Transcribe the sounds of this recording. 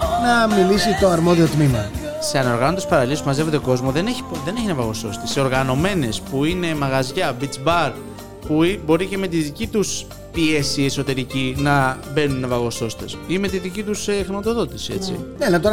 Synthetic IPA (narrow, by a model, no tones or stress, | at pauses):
nɐmilisit̪o̞ɐɾmo̞ðio̞t̪mimɐ | se̞ɐno̞ɾɣɐnond̪espɐɾɐliespumɐze̞vo̞d̪e̞ko̞zmo̞ðeneçi̥ðe̞neçinɐvɐɣo̞so̞̰st̪eseo̞ɾɣɐno̞me̞ne̞spuine̞mɐɣɐzʝɐbit͡sbɐɾ | puibo̞ɾice̞me̞t̪iðicit̪us | pie̞sie̞so̞t̪e̞ɾicinɐbe̞nunːevɐɣo̞so̞st̪e̞sime̞t̪iðicit̪usexɾimɐt̪o̞ðo̞t̪isie̞t͡sḭnelɐt̪oɾɐ